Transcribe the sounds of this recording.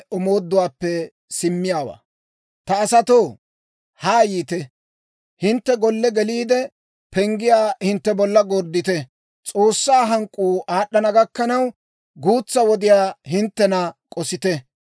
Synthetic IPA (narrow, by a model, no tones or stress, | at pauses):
ʊmo̞ːd̪ːʊwaːpːɛ | sɪmːɪjaːwa̰ː | t̪ɐːsɐt̪oː | haːjiːt̪ɛ | hɪnt̪ːɛɡɔlːɛɡɛliːd̪ɛ | pɛŋɡɪjaːhɪnt̪ːɛbɔlːɐɡɔɾd̪ɪt̪ɛ | t͡sʼo̞ːsːaːɦɐŋkʼːuːʔaːɗːɐnɐɡɐkːɐnɐw | ɡuːt͡sːɐwɔd̪ɪjaːhɪnt̪ːɛnɐkʼɔsɪt̪ɛ